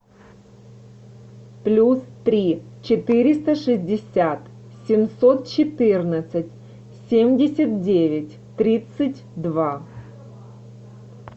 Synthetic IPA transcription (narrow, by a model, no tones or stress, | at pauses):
plʲust̪ɾʲit͡ɕɪt̪ɨɾʲɪst̪əʂɨzʲdʲɪsʲat̪ | sʲɪmsot̪̚t͡ɕɪt̪ɨrnət̪sɨtʲ | sʲemʲdʲɪsʲət̪̚dʲevʲɪtʲ | t̪ɾʲit̪sɨtʲd̪va